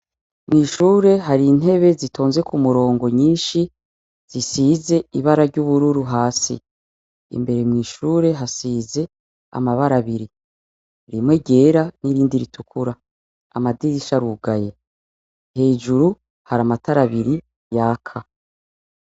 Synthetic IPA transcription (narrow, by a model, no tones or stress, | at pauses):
mŋiːʃuːɾe̞ɦaɾin̥e̞βe̞zito̞ːnzwe̞kumuɾo̞ːŋɡo̞ɲiːnʃi | z̥isiːze̞iβaɾaɾɟuβuɾuɾuɦaːsḭ | ḭmbe̞ɾe̞mŋiːʃuːɾe̞ɦasiːze̞ | a̰maβaɾaβiɾi | ɾimweɟe̞ːɾaniɾiːndiɾitʰukʰuɾa | a̰madiɾiʃaɾuɡaje̞ | he̞ːd͡ʒuɾu | haɾamataɾaβiɾi | jaːkʰa